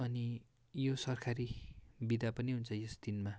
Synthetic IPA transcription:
ʌni | josʌrkʰaɾibid̪apʌniɦunt͡sʰʌjesd̪̥inma

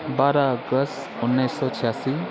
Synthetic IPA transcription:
baɾaʌɡəs | unːʌjsːɔt͡sʰijasi

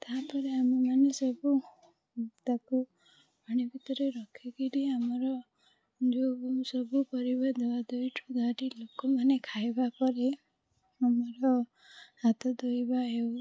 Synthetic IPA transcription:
t̪aɦapɔɾeamemanesɔbu | t̪aku | ɔɽ̃ibʱit̪ɔɾeɾɔkʰikiɾiamɔɾɔ | d͡ʒousɔbupɔɾibɔd̪ʱɔbad̪ojʈʰud̪ʱaʈilokɔmanekʰajbapɔɾe | amɔɾɔ | hat̪ɔd̪ojbaɦew

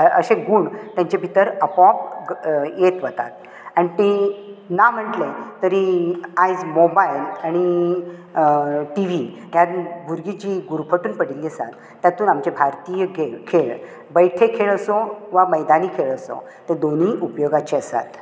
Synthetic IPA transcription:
ə̰ɕẽɡuːɳt̪jãɲt͡ɕebʱit̪əɾəpɔp | jet̪ʋət̪a̰t̪̚ | anit̪enam̤əɳʈlet̪əɾiajd͡zmobajilaɽ̃i | ʈiʋ̤iɦjat̪bʱuɾɡid͡ʑiːɡuɾpʰəʈuːnpəɽilːisã̰t̪ | t̪ːjat̪uːnamt͡ɕebʱaɾt̪ijəɡekʰeɭ | bəjʈʰekʰeɭəsɔʋaməjd̪anikʰeɭəsɔ̰ | t̪ẽd̪on̤iːʔupjoɡat͡ɕeəsa̰t̪

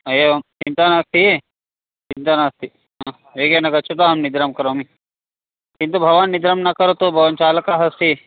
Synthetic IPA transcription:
ɐjeʋɐmt͡ʃint̪anast̪i | t͡ʃint̪anast̪i | ɦã | ʋeːɡenɐɡɐt͡ʃʰut̪aɦɐmnid̪ɾɐmkɐɾomi | kint̪ubʱɐʋanːid̪ɾɐmnɐkɐɾot̪obʱɐʋənt͡ʃaːlɐkaɦɐst̪i

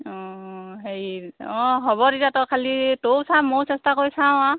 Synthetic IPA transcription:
ɔ̃ɦejɔ̃ɦɔbɔɾitatɔɹkʰalitowsamosɛstakoɹjsaw̃a

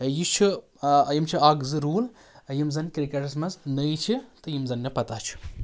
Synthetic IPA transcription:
jit͡ʃʰu | jimt͡ʃʰiaːɡzɨɾuːl | jimzɐnʲkɾikɐʈɐsmɐznəjt͡ʃʰit̪ɨjimzɐnːipɐt̪aːt͡ʃʰu̥

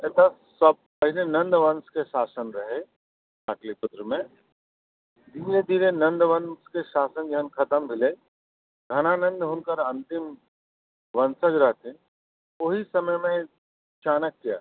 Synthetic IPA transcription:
ɛːt̪asɐb̚kɐɦɪnenɐ̃nd̪ʋɐnskeʃaːsənɾɐɦe | aːklipʊt̪ɾəmẽ | d̪iːɾed̪iːɾenɐ̃nd̪ʋɐnskeʃaːsənd͡ʒɐɦənkʰɐt̪əmbʱɪle | ɡʱɐnanɐ̃nd̪ɦʊnkəɾɐ̃nt̪ɪm | ʋɐnsəd͡ʒɾɐɦt̪ẽ | ʊɦisɐməjmẽ | t͡ʃaːnəkːija̰ː

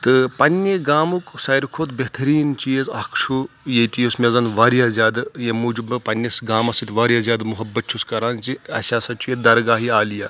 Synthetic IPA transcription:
t̪ɨpɐnʲːeɡaːmuksɐjɾkʰoːt̪beɦt̪ɐɾiːnt͡ʃijezɐkʰʂʰu | jet̪ijosmʲezɐnʋaːɾijaːzʲjaːd̪jemuːd͡ʒubɐpɐnʲjɐsɡaːmɐsit̪ʋaːɾʲjaːzʲaːd̪muɦɐbːɐt̪̚t͡ʃʰuskɐɾaːnt͡ʃiɐ̰sʲaːsɐt͡ʃʰujed̪ɐɾɡaːɦiaːlijaː

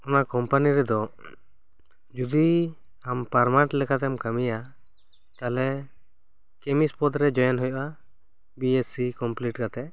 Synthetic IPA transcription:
ɔnakɔmpaniɾɛd̪ɔ | d͡ʒud̪i | ampaɾmaʈlɛkat̪ɛmkamija | t̪alɛ | kɛmispɔd̪ɾɛd͡ʒɔjɔnɦɔjɔʔa | biesikɔmpliʈkat̪ɛ

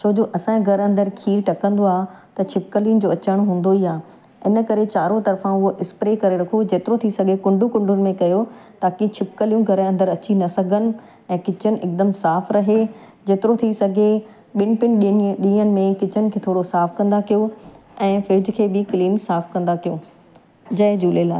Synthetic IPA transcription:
t͡ɕʰoːd͡ʑoʔɐsãɡʱɐɾɐ̃nd̪əɾkʰiːʈɐkə̃nd̪oaːt̪ɐt͡ɕʰɪp̚kəliʊn̆d͡ʑoːɐt͡ɕəɽ̃ɦũːn̆d̪oiaː | ɪnə̆kɐɾet͡ɕaːɾot̪ɐɾfãʊɦoʔɪspɾeːkɐɾeɾɐkʰod͡ʑeːt̪ɪɾot̪ʰisɐɡʱekʊ̃ɳɖʱũkʊ̃ɳɖʱʊnɪ̆mẽkɐjot̪aːkit͡ɕʰɪpkəlijũɡʱɐɾɐ̃nd̪əɾɐt͡ɕinɐsɐɡʱənɪ̆ | ɛ̃ːkɪt͡ɕənɪ̆ʔɪk̚d̪əmsaːfɾɐɦe | d͡ʑeːt̪ɪɾot̪ʰisɐɡʱe | ɓɪnɪ̆pɪn̆ɗɗĩːənɪ̆mẽkɪt͡ɕʰənɪ̆kʰeːt̪ʰoːɽosaːfkɐ̃nd̪akijo | ɛ̃ːfɪɾɪd͡ʑɪkʰeːbɪkliːnsaːfkɐ̃nd̪akijoː | d͡ʑɐɦɪd͡ʑuːlela̰ː

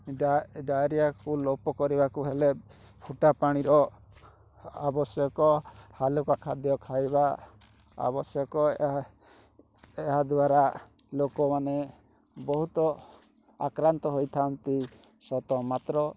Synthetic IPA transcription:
ɖajɾijakulopɔkɔɾibakuɦele | pʰuʈapaɽ̃iɾɔ | abɔsjɔkɔhalokakʰad̪jɔkʰajba | a̰bɔsjɔkɔ | eɦad̪waɾalokɔmanebɔɦut̪ɔ | akɾant̪ɔɦojt̪ʰant̪i | sɔt̪ɔmat̪ɾɔ

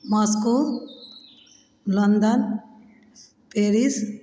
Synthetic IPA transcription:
mʌsku | lʌnd̪ʌn | peɾis

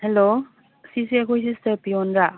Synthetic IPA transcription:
helo | sisiɐkʰojs̬istɐɾpiɔnɾa

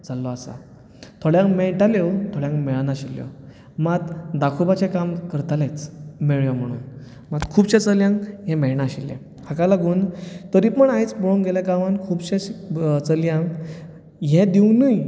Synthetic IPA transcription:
d͡zalːɔasa̰ | t̪ʰoɽjãŋɡmɛʈaljɔwt̪ʰoɭjãŋkmɛɭanaɕiljɔ̰ | mat̪d̪akʰubat͡ɕẽkamkəɾt̪alet͡smeɭjɔm̤əɽ̃ṵːn | mat̪kʰuːbɕɛ̃t͡səljãŋɡɦɛ̃meɭnaɕiljɛ̰̃ | hakalaɡuːnt̪əɾipəɳajt͡sboɭoŋɡeljakamankʰuːbɕẽt͡səljãŋɡ | ɦɛ̃d̪iwnəj

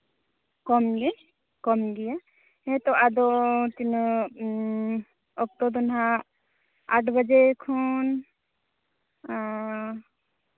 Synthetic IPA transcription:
kɔmɡɛ | kɔmɡija | ɦɛ̃t̪ɔad̪ɔt̪in | ɔk̚t̪ɔd̪ɔnɦa | aʈʰbəd͡ʒekʰɔn

